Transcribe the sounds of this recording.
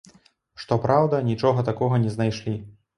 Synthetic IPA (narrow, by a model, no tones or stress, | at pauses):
ʂt̪ɔpɾawd̪ɐnʲit͡ʂɔɣɐt̪akɔɣɐnʲɛznajʂlʲi